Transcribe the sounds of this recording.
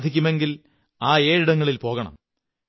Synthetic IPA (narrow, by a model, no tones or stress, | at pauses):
d̪ʱikʲːume̞ŋɡil | aːeːɻiɽɐŋːɐɭilpo̞ːɣɐɳɐ̰m